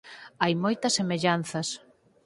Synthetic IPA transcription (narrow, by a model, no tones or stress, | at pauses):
ajmojt̪ɐsːemeʎan̟θɐs